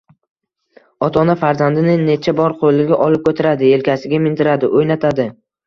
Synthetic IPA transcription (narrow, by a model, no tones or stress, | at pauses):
ɒt̪ʰɒnafaɾzand̪ɪnɪne̞t͡ʃʰabɒɾqʰolɪɡʲaʔɒlɪp̚kʰʲɵt̪ʰaɾad̪ɪe̞lkʲasɪɡʲamɪnt̪ʰɪɾad̪ɪʔojnat̪ʰad̪ɪ